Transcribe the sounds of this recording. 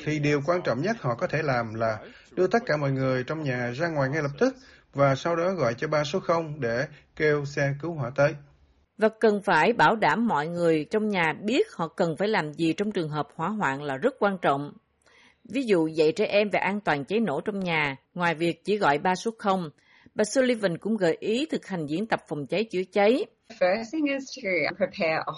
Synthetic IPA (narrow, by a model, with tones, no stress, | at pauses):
t̪ʰi˨˩ɗi˨˩əwkwaː˧nt͡ɕɔ̰˧˨wŋ͡mɲə˦˥t̚hɔ̰˧˨kɔ˨˦t̪ʰe˧˩laː˨˩mlaː˨˩ | ɗɨ˧ət̪ə˦˥t̚kaː˧˩mɔ̰˧˨jŋɨ˨˩əjt͡ɕɔ˧wŋ͡mɲaː˨˩zaː˧ŋwaː˨˩jŋa˧jlə˨˩p̚t̪ɨ˦˥k̚ | vaː˨˩sa˧wɗɔ˨˦ɣɔ̰˧˨jt͡ɕɔ˧ɓaː˧so˨˦˥xə˧wŋ͡mɗe˧˩ke˧wsɛ˧kɨ˨˦wɦwaː˧˩t̪əː˨˦j | vaː˨˩kə˨˩nfaː˧˩jɓaː˧˩wɗaː˧˩mːɔ̰˧˨jŋɨ˨˩əjt͡ɕɔ˧wŋ͡mɲaː˨˩ɓi˦˥ət̚hɔ̰˧˨kə˨˩nfaː˧˩jlaː˨˩mzi˨˩t͡ɕɔ˧wŋ͡mt͡ɕɨ˨˩əŋɦəː˨˩p̚hwaː˧˩ɦwa̰ː˧˨nlaː˨˩zə˦˥t̚kwaː˧nt͡ɕɔ̰˧˨wŋ͡m | vi˨˦zṵ˧˨zə̰˧˨jt͡ɕɛ˧ʔɛ˧mvaː˨˩ʔaː˧nt̪waː˨˩nt͡ɕə˨˦jno̰˧˩t͡ɕɔ˧wŋ͡mɲaː˨˩ | ŋwaː˨˩jvi˨˩ək̚t͡ɕi˧˩ɣɔ̰˧˨jɓaː˧so˨˦˥t̚xə˧wŋ͡m | ɓaː˨˩su˧li˧və˨˩nkʊ̰˧˥ŋ͡mɣɔə̰˧˨jʔi˨˦t̪ʰɨ˨˩k̚ha˨˩jŋ̟zḭ˧˥ənt̪ə˨˩p̚fə˨˩wŋ͡mt͡ɕə˨˦jt͡ɕɨ̰˧˩ət͡ɕə˨˦j | fɜsθɪ̃ŋɪztʰɨpʰɹ̥ipʰɛə